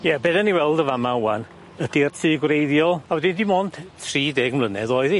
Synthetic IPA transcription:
jɛbeːdanːiwɛlˠdəvamawan | əd̥irtʰɨːɡwrejðjɔlˠawɛdɪndimoːnd̥θʰriːdeːɡmlˠənɛðɔːjði

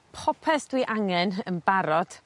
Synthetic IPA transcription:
pʰɔpʰɛsd̥wiʔaŋɛnənbaɾɔd̥

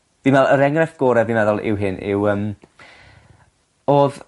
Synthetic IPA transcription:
v̥invɛlˠəɾɛŋrɛfɡ̥oːɾɛvinvɛðʊlˠʔɪ̰wɦɪnʔɪ̰wəːm | oːð

